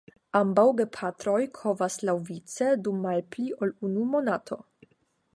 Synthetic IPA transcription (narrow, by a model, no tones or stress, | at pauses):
ambawɡepʰatɾojkʰo̞vaslawvit͡sedumːalpliʔolunumo̞natʰo̞̰